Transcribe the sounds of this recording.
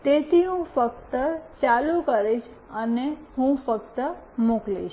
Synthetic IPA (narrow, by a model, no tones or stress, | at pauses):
t̪et̪ʰiɦũfəkt̪ət͡ʃalukəɾeʃ | ənehũfəkt̪əmoklḭʃ